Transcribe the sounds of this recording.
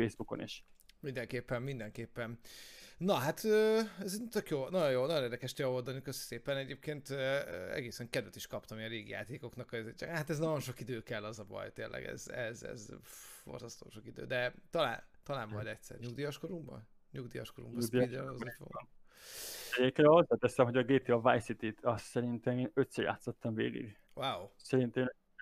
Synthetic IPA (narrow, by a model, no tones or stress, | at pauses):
eːzbukonḭʃmind̪ɛŋkeːpːɛmːind̪ɛŋkeːpːɛnnɒɦat̪øːɛzt̪økjoːnɒɟo̞jjoːlnɒjoeːrd̪ɛkɛʃt̪jɛold̪ɒnikøsseːpɛnɛɟeːp̚keːnt̪ɛ̰ɡeːsɛŋkɛd̪vɛt̪iʃkɒpt̪ɒmiɒɾeːɡḭja̰ːt̪eːko̞knɒkɒzat̪ɛznɒɟo̞nʃo̞kid̪øːkɛlːɛzɒbɒ̰jt̪ḛːlʔɛ̰ɡɛ̰zɛ̰zɛ̰zfo̞̰rzɒst̪o̰ːʃokid̪ø̰ːd̪ɛt̪ɒla̰ːnt̪ɒlaːmːɒjd̪ɛcʲsɛ̰rɲuɡd̪iːjɒʃkoɾumbɒ̰n | ɲuɡd̪ijɒ̰ʃkoɾṵmbɒud̪id̪ɛzot̪ʋo̰n | ɛekenhozːaːt̪ɛsɛmɦoɟɒɡeːt̪eɒvajsit̪it̪ʰɒssɛɾint̪ɛmeːnøt̪sɛɾja̰ːt̪sot̪ːɒɱvḛːɡḭɡ | waːwsɛɾint̪ɛn